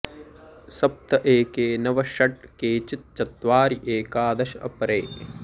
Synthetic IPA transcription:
sɐp̚t̪ɐʔeːkeːnɐʋɐʃɐʈkeːt͡ʃit̪̚t͡ʃɐt̪ʋaːɾiʔeːkaːd̪ɐʃɐɐ̰pɐɾeː

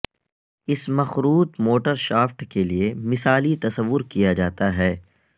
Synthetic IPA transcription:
ɪsmɐxɾuːt̪moːʈəɾʃaːfʈkeliemɪsaːlit̪ɐsəʋːʊɾkijad͡ʒaːt̪aɦɛː

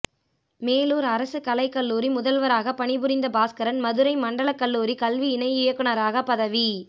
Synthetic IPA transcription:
meːluːɾɐɾɐsɯkɐlɐɪkːɐlːuːɾimʊðɐlʋɐɾaːɣɐpɐɳɪbɯɾɪnd̪ɐbaːskɐɾɐnmɐðɯɾɐɪmɐɳɖɐɭɐkːɐlːuːɾikɐlʋiɪnɐɪɪjɐkːɯɳɐɾaːɣɐpːɐðɐʋi

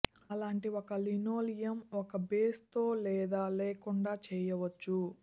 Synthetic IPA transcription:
ɐlaːɳʈiɔkɐlinoːlijɐmɔkɐbeːst̪o̞ːlɛːd̪aːlɛːkuɳɖaːt͡ʃɛːjɐʋɐt͡ʃːu

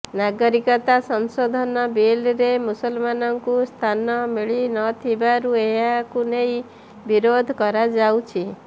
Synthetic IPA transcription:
naɡɔɾikɔt̪asɔnsod̪ʱɔnɔbilɾemusɔlmanɔŋkust̪ʰanɔmiɭinɔt̪ʰibaɾueɦakunej | biɾod̪ʱkɔɾad͡ʒawt͡ʃʰi

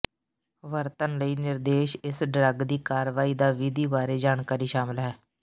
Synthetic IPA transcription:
ʋəɾt̪ənləiːnɪɾd̪eːʃɪsɖɾəɡd̪iːkaːɾʋaːiːd̪aːʋid̪iːbaːɾeːd͡ʒaːnkaːɾiːʃaːmɪlɦɛː

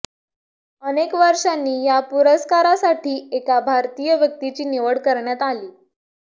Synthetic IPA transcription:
ənekʋəɾʂanːiːjapuɾəskaɾasaʈʰiːekabʱaɾt̪iːjəʋjək̚t̪it͡ɕiːniʋəɽkəɾɳjat̪aliː

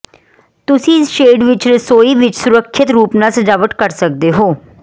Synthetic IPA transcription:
t̪ʊsĩːɪsʃeːɖʋɪt͡ʃɾəsoːiːʋɪt͡ʃsʊɾəkʰːɪt̪ɾuːpnaːsəd͡ʒaːʋət̪kəɾsək̚d̪eːɦoː

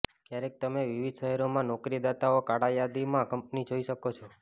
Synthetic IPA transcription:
kjaɾek̚t̪əmeʋiʋid̪ʱʃəɦɛɾomãnɔkɾid̪at̪aokaɽajad̪imãkəmp̚nid͡ʒoiʃəkot͡ʃʰo

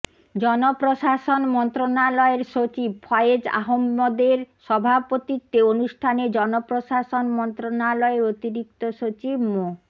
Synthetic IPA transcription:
d͡ʑɔnopɾoʃaʃonmɔnt̪ɾonalɔeɾʃot͡ɕib̚fʰɔeed͡ʑa̰ɦomːɔd̪eɾʃɔbʱapot̪it̪ːeonuʃʈʰaned͡ʑɔnopɾoʃaʃonmɔnt̪ɾonalɔeɾot̪iɾik̚t̪oʃot͡ɕibmo

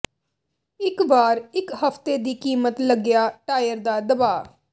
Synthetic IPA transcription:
ɪkbaːɾɪkhəpʰt̪eːd̪iːkiːmət̪ləɡɪjaːʈaːjəɾd̪aːd̪əbaː

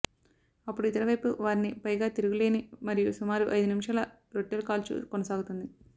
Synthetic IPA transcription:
ɐpːuɽuit̪ɐɾɐʋɐjpuʋaːɾinipɐjɡaːt̪iɾuɡule̞ːnimɐɾijusumaːɾuʔɐjd̪unimʂalɐ | ɾoʈːelukaːlt͡ʃṵkɔnɐsaːɡut̪und̪i

